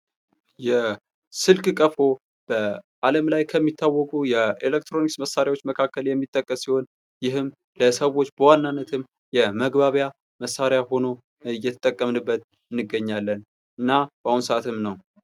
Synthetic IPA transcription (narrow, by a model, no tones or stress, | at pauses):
jɛ | sɨlkʼkʼəfo̞ | b̥əʔaləmlajkʰəmːit̪ʰːawːɔkʼujɛelek̚t̪ɾo̞niksməsːaɾjawot͡ʃːməkʰakːəljɛmːit̪ʼːəkʼːəsːiho̞n | jɪɦɨm | ləsəwo̞t͡ʃːbəwanːanːət̪ʰɨm | jɛməɡbaβja | məsaɾjaho̞no̞ | ɨjːɛt̪ʰə̥t̪ʼːəkʼːəmnɨbːət̪ | ɨnːɨɡəɲːalːən | ʔɨnːab̥əahunsəʔat̪ʰɨmnəw